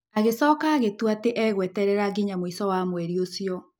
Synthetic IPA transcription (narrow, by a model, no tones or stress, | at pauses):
aɣesɔːkaːɣetwateʔɛɣwɛtɛɾɛɾaɡiɲamwisɔwamwɛɾiosjɔ